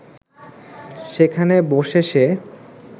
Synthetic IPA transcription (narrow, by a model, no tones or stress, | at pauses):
ʃekʰaneboʃeʃe